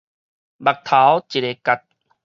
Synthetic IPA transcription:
ba˨˩k̚t̪ʰa˨˦wt͡ɕi˨ɾe˧ka˧˩t̪̚

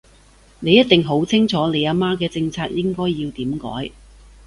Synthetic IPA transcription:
ne˨˧jɐ˥t̚t̪ɪ˨ŋɦo˨˥wt͡sʰɪ˥ŋt͡sʰɔː˨˥ne˨˧jaː˨˧˥maː˥kɛː˧t͡sɪ˧ŋt͡sʰaː˧k̚jɪ˥ŋkɔː˥jːiː˧wt̪iː˨˥mkɔ̰ː˨˥j

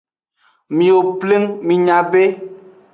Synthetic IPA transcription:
mĩ˨o˨ple˦ŋmĩ˨ɲã˨be˦

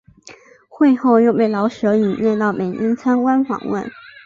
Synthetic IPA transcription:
xwe˥˧ɪxo˥˧ʊjo˥˧ʊpe˥˩ɪlɑ˧˥ʊʂɤ˧˥i˨˩njɛ˥˧t̪ɑ˥˩ʊme˨˩ɪʔi˥nt͡sʰa˥nwa˥nxɑ̰˧˥ŋwə̰˥˩n

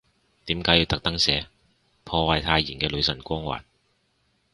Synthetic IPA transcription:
t̪iː˨˥mkaː˨˥ji˧wt̪ɐ˨k̚t̪ɐ˥ŋsɛː˨˧ | pʰɔː˧wɐ˨˧jt̪ʰaː˧jiː˨˩nkɛː˧lɵ˨˧ɥsɐ˨˩nkʷɔː˥ŋwa̰ː˨˩n

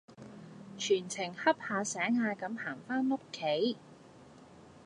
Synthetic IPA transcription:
t͡ʃʰyː˨˩nt͡sʰɪ˨˩ŋhɐ˥p̚haː˧sɛː˨˥ŋhaː˧kɐ˨˧˥mhaː˨˩ŋfaː˥nːo˥kʰːe˨˥j

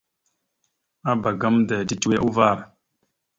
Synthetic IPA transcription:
a˦ba˨ɡa˦mda˨di˨tu˦we˦ʔu˦va˦˨ɾa˨

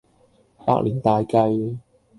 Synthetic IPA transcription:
pa̰ː˧˥k̚liː˨˩nt̪aː˧jkɐ˧j

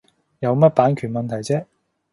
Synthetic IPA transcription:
jɐ˨˧wmɐ˥t̚paː˨˥nkʰyː˨˩nmɐ˨nt̪ʰɐ˨˩jt͡sɛː˥

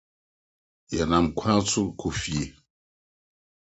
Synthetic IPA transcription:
ja˨na˨mkʷʰã˦t͡su˦kʰu˨fi˨e˨

